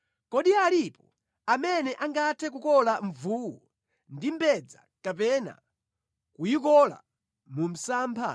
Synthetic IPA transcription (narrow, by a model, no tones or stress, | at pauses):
kɔɗialipɔ | amɛnɛʔaŋɡatʰɛk̬ukɔlaɱvuːwɔ | ndimbɛd͡za | kapɛna̰ | kujikɔla̰ | mum̩saːmpʰa̰